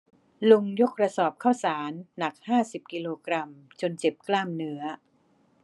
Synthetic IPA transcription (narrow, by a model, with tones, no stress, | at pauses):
lo˧ŋjo˦˥k̚ɾa˧sɔː˨˩p̚kʰaː˥˩wsaː˩˦nːa˨˩k̚haː˥˩si˨˩p̚ki˧loː˧kɾa˧m | t͡ɕo˧nt͡ɕe˨˩p̚klaː˥˩mnɯ˦˥ɐ